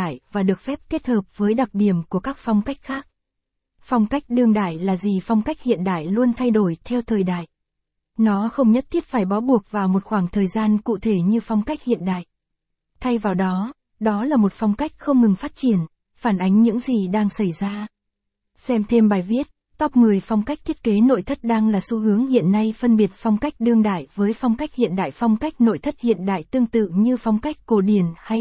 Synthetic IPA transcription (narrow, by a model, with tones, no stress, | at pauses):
aː˧˨jvaː˨˩ɗɨ˨˩ək̚fɛ˦˥p̚ke˦˥t̚həː˨˩p̚vəː˨˦jɗa˨˩t̚ɗi˧˩əmku˧˩əkaː˦˥k̚fa˧wŋ͡mka˦˥jk̟̚xaː˦˥k̚ | fa˧wŋ͡mka˦˥jk̟̚ɗɨ˧əŋɗaː˧˩jlaː˨˩zi˨˩fa˧wŋ͡mka˦˥jk̚hḭ˧˨ənɗa̰ː˧˨jlu˧ənt̪ʰa˧jɗo˧˩jt̪ʰɛ˧wt̪ʰəː˨˩jɗa̰ː˧˨j | nɔ˨˦xə˧wŋ͡mɲə˦˥t̚t̪ʰi˦˥ət̚faː˧˩jɓaɔ˨˦ɓu˨˩ək̚vaː˨˩wmo˨˩t̚xwaː˧˩ŋt̪ʰəː˨˩jzaː˧nkṵ˧˨t̪ʰe˧˩ɲɨ˧fa˧wŋ͡mka˦˥k̚hḭ˧˨ənɗa̰ː˧˨j | t̪ʰa˧jvaː˨˩wɗɔ˨˦ | ɗɔ˨˦laː˨˩mo˨˩t̚fa˧wŋ͡mka˦˥jk̚xə˧wŋ͡mmɨ˨˩ŋfaː˦˥t̚t͡ɕi˧˩ən | faː˧˩nʔa˨˦jŋ̟ɲɨ̰˧˥ŋzi˨˩ɗaː˧ŋsa˧˩jzaː˧ | sɛ˧mt̪ʰe˧mɓaː˧˩jvi˦˥ət̚ | t̪ɔ˦˥p̚ŋɨ˨˩əjfa˧wŋ͡mka˦˥k̚t̪ʰi˦˥ət̚ke˨˦no̰˧˨jt̪ʰə˦˥t̚ɗaː˧ŋlaː˨˩su˨˦ɦɨ˨˦əŋhḭ˧˨ənːa˧jfə˧nɓi˨˩ət̚fa˧wŋ͡mka˦˥jk̟̚ɗɨ˧əŋɗa̰ː˧˨jvəː˨˦jfa˧wŋ͡mka˦˥jk̟̚hḭ˧˨ənɗa̰ː˧˨jfa˧wŋ͡mka˦˥jk̟̚no̰˧˨jt̪ʰə˦˥t̚hḭ˧˨ənɗa̰ː˧˨jt̪ɨ˧əŋt̪ɨ̰˧˨ɲɨ˧fa˨˧wŋ͡mka˦˥jk̟̚ko˧˩ɗi˨˩ənha˧j